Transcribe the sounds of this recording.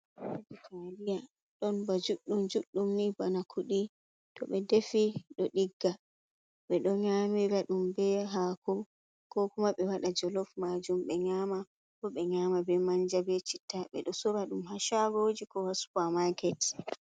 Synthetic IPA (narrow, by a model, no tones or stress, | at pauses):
bitʰalija | ɗɔnbad͡ʒuɗːumd͡ʒuɗːumnibanakʰuɗi | tɔɓɛdefiɗɔɗiɡːa | ɓɛɗɔɲamiɾaɗumbɛɦakɔ | kɔkumaɓɛwaɗad͡ʒɔlɔfmad͡ʒumɓɛɲama | bɔɓɛɲamabɛmaɲd͡ʒabɛt͡ʃitːaɓɛ̰ɗɔsɔɾaɗumhaʃaɡɔd͡ʒikɔwaskamaɡɛt